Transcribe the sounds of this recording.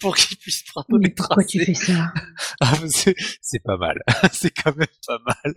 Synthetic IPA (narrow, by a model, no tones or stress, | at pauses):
puʁkilpɥispχɔ̃mɛp̪uʁkwat̪yfɛsaafsɛsɛpama̰lsɛkʰɑ̃mɛmpamal